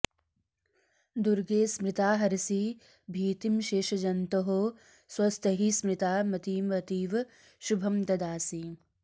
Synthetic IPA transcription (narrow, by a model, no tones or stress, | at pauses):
d̪uɾɡeːsmɾɪt̪aːɦɐɾisiː | bʱiːt̪imʃeːʃɐd͡ʒɐnt̪ɐɦoː | swɐst̪ʰɐɦismɾɪt̪aːmɐt̪iːmɐt̪iːʋ | ʃubʱɐmt̪ɐd̪aːsi